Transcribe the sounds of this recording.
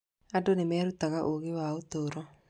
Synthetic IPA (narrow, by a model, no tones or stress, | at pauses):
adonemɛːɾutaɣaʔoɣewaotoɾɔ